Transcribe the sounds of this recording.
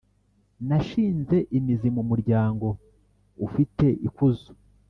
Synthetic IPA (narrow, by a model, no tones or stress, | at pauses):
naʃiːnze̞ʔimizimumuɾɟaːŋɡo̞ | ufite̞ʔikuzu̥